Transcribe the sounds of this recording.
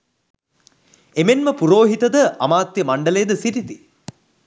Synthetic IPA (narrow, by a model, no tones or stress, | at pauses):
emenməpuɾoːɦit̪ɐd̪əɐmaːt̪jəmaɳɖɐlejəd̪əsiɾit̪i